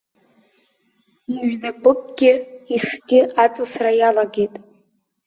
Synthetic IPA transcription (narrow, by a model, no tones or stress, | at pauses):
iɥnapʼɨkʼɡ̥ʲɪiχɡ̥ʲɪat͡sʼɨsrajalaɡʲejtʼ